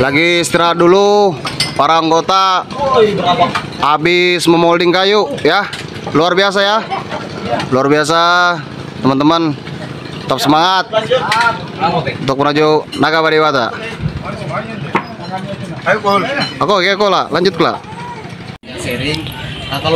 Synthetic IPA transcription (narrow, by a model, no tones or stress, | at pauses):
laɡist̪iɾat̪̚dulu | paɾaːŋɡot̪a | abɪsməmɔldɪŋkajuja | luarbias̬aja | luarbias̬a | t̪əmənt̪əmən | t̪ap̚səmaŋat̪̚ | unt̪ʊk̚mənad͡ʒunaɡabadiwat̪a̰ | akokekɔlalaɲd͡ʒʊt̪̚kula̰